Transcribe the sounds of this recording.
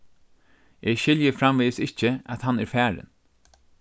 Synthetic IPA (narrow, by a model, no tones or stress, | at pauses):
ʔeːʃɪljəfɾamʋiːsɪt͡ʃəæt̪hanæɹfæːɹə̰n